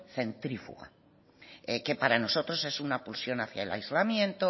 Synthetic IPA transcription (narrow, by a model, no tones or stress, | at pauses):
θe̞nt̪ɾifṵɣa̰ | eke̞paɾano̞so̞t̪ɾo̞se̞sunapulsjo̞naθja̰ela̰jzlamjẽ̞nt̪o